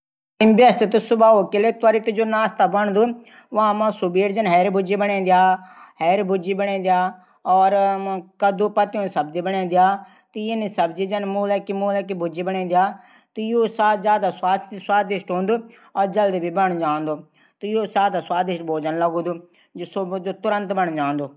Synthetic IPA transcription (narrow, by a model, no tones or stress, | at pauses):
ɪmbɐsʈ̪t̪usʊbaːokɪleːt̪əɾit̪d͡ʒoːnaːst̪abɐɳ̃d̪uː | ʋaãmãsʊbiːɾd͡ʒɐnɦɛːɾbʱʊd͡ʒiːbəɳẽːnd̪ɪjaːhɛːɾbʊd͡ʒiːbəɳ̃ẽːnd̪ɪjaː | ɔːɾkɐd̪uːpɐt̪iõːnsɐb̚d͡ʒiːbəɳẽːnd̪ɪjaː | t̪iɪnisəbd͡ʒiːd͡ʒənmuːlɛkimuːləkibʱʊd͡ʒiːbəɳẽːd̪ɪjaː | t̪ijoːsaːt̪d͡ʒjaːd̪aːsaːswaːd̪ɪʃʈɦõːnd̪uː | ɔːɾd͡ʒəld̪ibʱiːbəɳ̃d͡ʒãːnd̪oː | t̪ijoːsaːd̪aːswaːd̪ɪʃʈbʱoːd͡ʒənləɡõːd̪uː | sod͡ʒoːt̪ʊɾə̃nt̪bəɳd͡ʒãːnd̪oː